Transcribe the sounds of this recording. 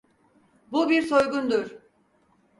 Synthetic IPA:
bubiɾsojɡund̪uɾ̥

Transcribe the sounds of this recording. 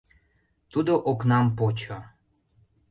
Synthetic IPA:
t̪ud̪oʔoknɑmpot͡ɕo

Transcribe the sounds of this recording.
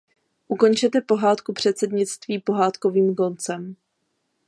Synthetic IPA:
ʔuko̞nt͡ʃɛt̪ɛpo̞ɦaːt̪kupr̝̥ɛt̪sɛd̪ɲɪt͡st̪viːpo̞ɦaːt̪ko̞viːmko̞nt͡sɛm

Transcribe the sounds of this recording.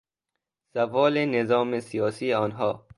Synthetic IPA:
sævɒːlenezɒːmesijɒːsiːɒːnɦɒː

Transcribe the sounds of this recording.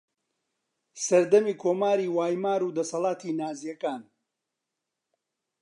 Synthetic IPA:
sɐɾd̪ɐmiːkʰoːmaːɾiːwaːjmaːɾuːd̪ɐsɐlˠaːt̪ʰiːnaːzijɐkaːn

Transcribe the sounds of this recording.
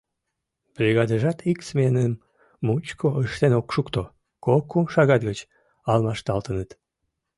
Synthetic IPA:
brʲiɣɑd̪əʒɑt̪ʰiksmenəmː | ut͡ɕkʰoʔəʃt̪enokʃukt̪o | kokoʃɑɣɑt̪̚ɡət͡ɕ | ɑlmɑʃt̪ɑlt̪ənət̪

